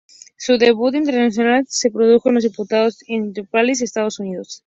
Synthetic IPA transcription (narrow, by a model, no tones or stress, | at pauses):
suðeβut̪̬int̪̬e̞ɾnaθjonalse̞pɾoð̞uxoenloðiput̪aðosenupales̬est̪aðosuniðos